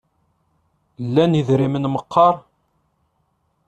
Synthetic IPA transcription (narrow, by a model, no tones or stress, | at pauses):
lːæniðɾimənməqʰːɑɾˤ